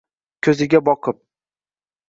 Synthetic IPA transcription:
kʲʰɵzɪɡʲabɒqʰɨp̚

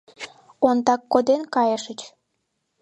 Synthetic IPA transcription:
ont̪ɑkːod̪enkɑjəʃət͡ɕ

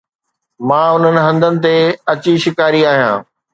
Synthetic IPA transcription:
mãːʊn̤ənɪ̆ɦɐ̃nd̪ənɪ̆t̪eɐt͡ɕiʃɪkaːɾiaːɦijã̰ː

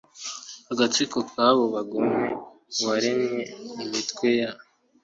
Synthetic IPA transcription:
haɡat͡sikokʰaβoβaɡome | βaɾenɲeimitkweja

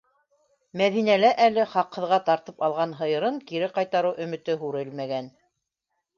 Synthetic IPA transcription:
mæðinælæʔælɘχɑqhɤ̆ðʁɑt̪ɑɾt̪ɤpɑlˠʁɑnɦɤ̆jɤ̆ɾɤŋkiɾɘqɑjt̪ɑɾɤwʔɵ̆mɘ̆t̪ɘɦuɾɘlmæɡæn

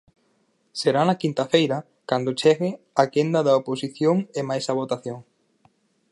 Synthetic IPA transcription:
seɾanɐkint̪afejɾɐ | kand̪ot͡ʃɛɣɪ | akend̪ɐðɐoposiθjoŋemajsɐβ̞ot̪aθjoŋ

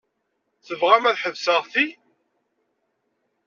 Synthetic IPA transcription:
θəvʁæmæðħəvsəʁθi

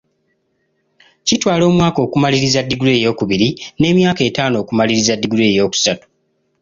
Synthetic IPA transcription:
citwaːlo̞ːmwaːko̞ːkumaliɾizadːiɡule̞ːjo̞ːkuβiɾine̞ːmjaːke̞ːtaːno̞ːkumaliɾizadːiɡule̞ːjo̞ːku̥satu̥

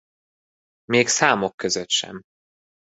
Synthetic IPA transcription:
meːksaːmo̞kːøzøt̪ʃɛ̰m

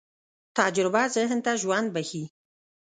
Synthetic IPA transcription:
t̪ɑd͡ʒɾɪbazəɦənt̪aʒwand̪̚bahi

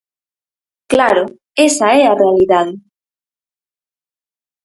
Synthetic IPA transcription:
klaɾo | esaɛarealiðað

